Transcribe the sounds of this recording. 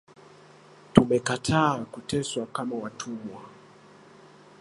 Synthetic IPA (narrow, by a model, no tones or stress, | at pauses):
tumɛkatʰaːkutɛswakamawatʰumwa